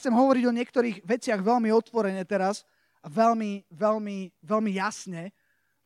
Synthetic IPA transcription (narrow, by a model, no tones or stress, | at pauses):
t͡sɛmɦɔʋɔɾiɟɔɲɪɛkt̪ɔɾiːɣʋɛt͡sɪaɣʋɛlmiɔt̪ʋɔɾɛɲɛt̪ɛɾas | aʋɛlmiʋɛʎmiʋɛlmijasɲɛ